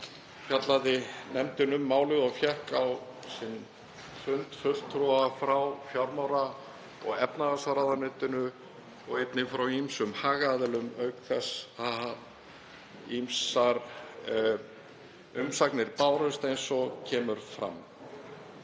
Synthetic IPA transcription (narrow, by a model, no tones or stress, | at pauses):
fjat̪laðɪnɛmt̪ʏnʏmːaːwlɪðɔɣfjɛhkawsɪn | fʏnt̪fœl̥t̪ʰːɾuafɾawfjawɾmawɾa | ɔ̰ɣɛpnaðasaɾaðanʏːt̪ɪnʏ | ɔɣejt̪nɪfɾawimsʏmhaːɣaðɛlʏmœɥkθɛsaa | imsaɾ | ʏmsaknɪɾpaːwɾœst̪ejnsɔcʰɛːmʏɾ̥fɾa̰m